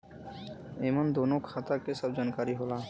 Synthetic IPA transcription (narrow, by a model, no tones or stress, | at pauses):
emond̪onokʰːat̪akesɔb̚d͡ʑankaɾiɦola